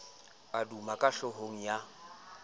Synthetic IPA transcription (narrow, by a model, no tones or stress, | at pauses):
adumakʼaʃɔɦoŋ̩ja